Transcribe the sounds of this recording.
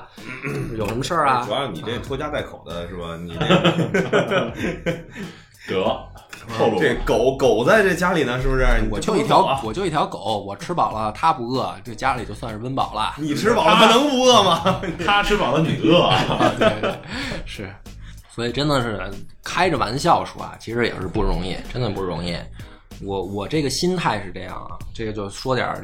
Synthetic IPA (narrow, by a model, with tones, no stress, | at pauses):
jo˨˩ʊʂə˧˥mə˧ʂə˥˩ɐ˩˨˩ni˨˩e˥˩t̪ʰɔ˥t͡ɕja˥t̪a˥˩ɪkʰo˨˩ʊd̪ə˦ʂɻ̩˥˩bɐ˩nḭ˨˩˥ | t̪ɤ˧˥˧ | o˧ʈ͡ʂe˥˩ɡko˨˩˦ʊko˨˩ʊt͡sa˥˧ɪʈ͡ʂe˥˩ə˩t͡ɕja˥li˨˩nə˦ʂɻ̩˥˩bə˥˧˩wɔ˨˩t͡ɕjo˥˧ʊi˥˩t̪ʰjɑ˧˥ʊwɔ˨˩t͡ɕjʊi˥˩t̪jɑ˧˥ʊko˨˩˦ʊwɔ˨˩ʈ͡ʂʰɻ̩˥pɑ˨˩ʊlə˦t̪ʰa˥pu˧˥ɤ˥˩ʈ͡ʂɤ˥˩ɡə˩t͡ɕja˥li˨˩t͡ɕo˥˧ʊswa˥˧nʂɻ̩˥˧wə˥npɑ̰˨˩ʊlə̰˦ni˨˩ʈ͡ʂʰɻ̩˥pɑ˨˩ʊlə˧xa˧nɤ˧˥ŋpu˧˥ɤ˥˩mɐ˨t̪ʰa˥ʈ͡ʂʰɻ̩˥pɑ˨˩ʊlə˦ni˨˩ɤ˥˩˥ | ʂɻ̩˥˩ | swɔ˧˥i˨˩ʈ͡ʂə˥nd̪ə˨ʂɻ̩˥˩kʰa˥ɪʈ͡ʂə˩wa̰˧˥nɕjɑ˥˩ʊʂṵ˨˩ɐ̰˩t͡ɕʰi˧˥ʂɻ̩˧˥jɛ̰˨˩ʂɻ̩˥˧pu˥˩ɻʊ̰˧˥ŋi˥˩ʈ͡ʂə˥nd̪ə˨˩pu˥˩ɻʊ˧˥ŋi˥˩ | wɔ˧˩wɔ˨˩ʈ͡ʂɤ˥˩ɡə˩ɕi˥nt̪ʰa˥˩ɪʂɻ̩˥˧ʈ͡ʂɤ˥˧jɑ̰˥˩ŋ̰˩ʈ͡ʂɤ˥˩ɡə˩t͡ɕjo˥˧ʊ˩ʂwɔ˥t̪jɑ̰˨˩